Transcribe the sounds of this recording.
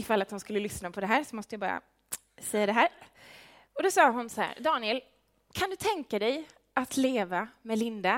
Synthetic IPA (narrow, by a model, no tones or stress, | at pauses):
ɪfalːat̪hʊnskɵlːəlʏsnapʰɔd̪ɛɦæːɾsɔmɔst̪əjabɑːɾa̰ | sɛjːad̪ɛɦæːɾ | ɔd̪ɔsɑːɦʊnsɔhæ̰ːɾd̪ɑːnɪɛl | kʰand̪ɵt̪ʰɛŋkad̪ɛj | at̪ʰleːvamɛlɪnd̪a